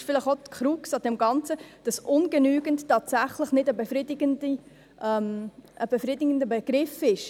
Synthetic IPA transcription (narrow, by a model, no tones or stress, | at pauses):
ʃfɪlɪχotkʰχɾuksɑdɛmɡɑnt͡səd̥ɑsʔʊnɡənyːɡ̥əntːɑːtsæχləχnɪdəbəfɾidɪɡəndi | ʔɛmʔəb̥əfɾidɪɡəndəbəɡ̥ɾɪfɪʃ